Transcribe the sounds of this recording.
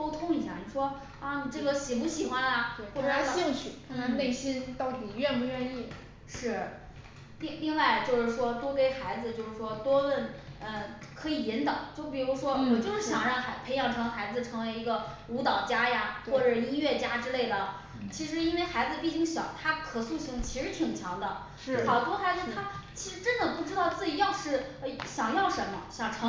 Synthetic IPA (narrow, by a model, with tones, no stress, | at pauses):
ko˥ʊt̪ʰʊ˥ŋi˧˩ɕja˥˩ni˨˩ʂwɔ˥ | a˥˧ni˨˩ʈ͡ʂɤ˥˩ɡə˩ɕɛ˨˩pu˧˥ɕi˨˩xwa˥nɐ˨˩xwɔ˥˩ʈ͡ʂɕi˥˧ŋt͡ɕʰy˨˩ə˧ne˥˩ɪɕi˥nt̪ɑ˥˩ʊt̪i˨˩ɥɛ˥˧npu˧˥ɥɛ˥˧ni˥˩ | ʂɻ̩˥˩ | li˥˧ŋli˥˧ŋwa˥˧ɪt͡ɕjo˥˧ʊʂɻ̩˥˩ʂwɔ˥t̪wɔ˥pe˧˥˩ɪxa˧˥ɪd͡zɹ̩˧t͡ɕjo˥˧ʊʂɻ̩˥˩ʂwɔ˥t̪wɔ˥wə˥˩nə˧ | kʰɤ˧˥i˨˩ji˧˥nt̪ɑ˨˩˦t͡ɕjo˥˩ʊp̬i˨˩ɻu˧˥ʂwɔ˥wɔ˨˩t͡ɕjo˥˧ʊʂɻ̩˥˩ɕjɑ˨˩ŋɻɑ˥˩ŋxa˧˥ɪpʰe˧˥ɪjɑ˧˩ŋʈ͡ʂʰɤ˧˥ŋxa˧˥ɪd͡zɹ̩˨˧ʈ͡ʂʰɤ˧˥ŋwe˧˥ɪi˧˥ɡə˧u˧˥t̪ɑ˨˩ʊt͡ɕja˥ja˨˩xwɔ˥˩ʈ͡ʂɤ˨˩ʂi˥ɥɛ˥˩t͡ɕja˥ʈ͡ʂɻ̩˥le˥˩ɪd̪ə˩ | t͡ɕʰi˧˥ʂɻ̩˧˥i˥nwe˥˩ɪxa˧˥ɪd͡zɹ̩˧pi˥˩t͡ɕi˥ŋɕjɑ˨˩˦ʊt̪ʰa˥kʰɤ˨˩su˥˩ɕi˧˥ŋt͡ɕʰi˧˥ʂɻ̩˧˥t̪ʰi˨˩ŋt͡ɕʰjɑ˧˥ŋd̪ə˧˥˩ | xɑ˨˩t̪wɔ˥xa˧˥ɪd͡z̩˧t̪ʰa˥t͡ɕʰi˧˥ʂɻ̩˧˥ʈ͡ʂə˥nd̪ə˨pu˥˩ʈ͡ʂɻ̩˥t̪ɑ˥˧ʊt͡sɹ̩˥˩t͡ɕi˧˥jɑ˥˧ʊʂɻ̩˥˩e˥˩ɕjɑ˨˩ŋjɑ˥˩ʊʂə˧˥nmə˧ɕjɑ˨˩ŋʈ͡ʂʰɤ˧˥